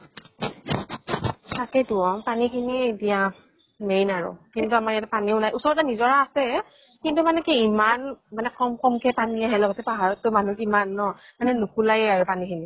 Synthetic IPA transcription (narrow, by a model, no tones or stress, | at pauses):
sakɛtuɔpanikʰinietija | mejnaɹʊ̰kintuamaɹijatɛpaniʊnajʔusɔɹɔtanizɔɹaːsɛ | kintumanɛkiimanmanɛkɔmkɔmkɛpaniaɦɛlɔɡɔtɛpaɦaɹɔtːʊmanukimanːɔmanɛnukulajɛaɹʊpanikʰini